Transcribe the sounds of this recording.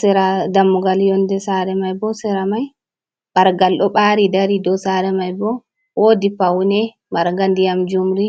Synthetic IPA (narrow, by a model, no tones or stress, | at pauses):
sɛɾadamːuɡaljɔndɛsaɾɛmajbɔsɛɾamaj | baɾɡalɗɔɓaɾidaɾidɔsaɾɛmajbɔ | wodipawnɛ | maɾŋɡandijamd͡ʒumɾi